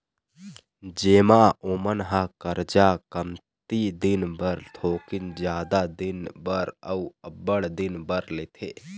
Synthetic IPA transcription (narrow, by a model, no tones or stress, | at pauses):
d͡ʒeːmaoːmənɦakəɾd͡ʒakəmt̪id̪ɪnbəɾt̪ʰoːkɪnd͡ʒjaːd̪ad̪ɪnbəɾəuəbəɽd̪ɪnbəɾleːt̪ʰeː